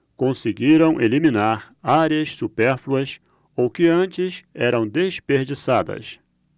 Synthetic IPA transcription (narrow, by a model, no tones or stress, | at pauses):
kõseɡiɾɐ̃w̃ʔelimĩnaɾ | aɾiɐssupɛɾfluɐs | owkɪɐ̃nt͡ʃɪsɛɾɐ̃w̃d̪espeɾd͡ʒisad̪ɐ̰s